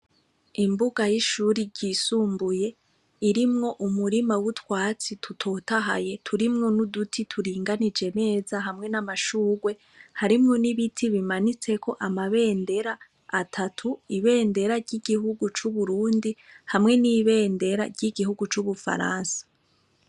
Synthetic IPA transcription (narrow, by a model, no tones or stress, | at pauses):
imbuɡajiʃuɾiɾɟiːsuːmbuje̞ | iɾimŋo̞ʔumuɾimawutwaːt͡sitʰutʰo̞ːtaɦa̰je̞tʰuɾimŋonudutʰitʰuɾiːŋɡanid͡ʒe̞ne̞ːzaɦamŋe̞namaʃuːɡwe̞ | haɾimŋo̞niβitʰiβimanit͡se̞ko̞ʔamaβe̞ːnde̞ɾaː | tʰatʰuiβe̞ːnde̞ɾaɾɟiɡihuɡut͡ʃuβuɾuːndihamŋe̞niβe̞ːnde̞ɾa̰ɾjɟiɡiɦuɡut͡ʃuβufa̰ɾa̰ːnsḁ